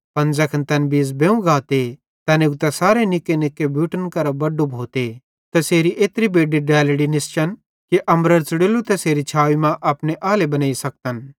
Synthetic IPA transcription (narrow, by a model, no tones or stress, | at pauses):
pɐ̃nzɐkʰɐnt̪ɐnbiːsbẽːũɡaːt̪e | t̪ɐneʊɡ̚t̪ɛsaːɾenɪkːenɪkːebʱjuːʈənkɐɾɐbɐɖːubʱoːt̪e | t̪ɐseːɾiʔeːt̪ɾibeːɖiɖɛːlɽinɪst͡ʃɐn | kiʔɐmɾəɾt͡sɐɽelut̪ɛseːɾit͡ʃʰaːʋimãʔɐpneʔaːlebɐnaːisɐk̚t̪ən